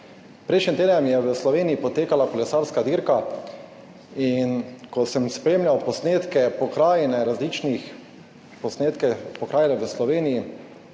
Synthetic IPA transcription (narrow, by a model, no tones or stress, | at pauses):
pɾɛjʃnimt̪eːd̪nɛmjɛʋəslɔʋeːnijipɔt̪eːkalakɔlɛsaːɾskad̪iɾka | inkɔsɛmspɾeːmlʲawpɔsneːt̪kɛpɔkɾaːjɛnɛɾazlit͡ʃnix | pɔsneːt̪kɛpɔkɾaːjɛnɛʋəslɔʋeːniji